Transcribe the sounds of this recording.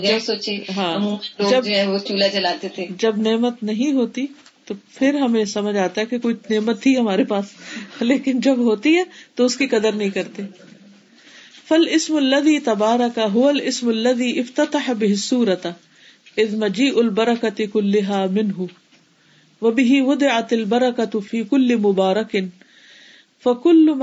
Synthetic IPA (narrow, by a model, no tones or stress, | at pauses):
d͡ʒsoːt͡ʃiɦãːmːd͡ʒɐbɛot͡ʃuːlat͡ʃɐlaːt̪et̪ʰed͡ʒɐbneːmət̪nɐɦĩɦoːt̪i | t̪opʰɪɾɦɐmẽsɐməd͡ʒaːt̪aɦɛkekoːineːmət̪ʰːiɦɐmaːɾepaːsleːkɪnd͡ʒɐbɦoːt̪iɦɛːt̪oʊskikɐd̪əɾnɐɦĩkɐɾt̪eː | fɐlɪsmɐlːɐðiːt̪ɐbaːɾɐkaɦʊʋɐlʔɪsmɐlːɐðiːʔɪft̪ɐt̪aħabɪɦɪsːuːɾɐt̪ | ʔɪðmɐd͡ʒiːʔʊlbɐɾɐkat̪ɪkʊlːɪɦaːmɪnɦʊ | wɐbɪɦiwʊd̪ɪʕat̪ɐlbɐɾɐkat̪fiːkʊlːɪmʊbaːɾɐkɪn | fɐkʊlːm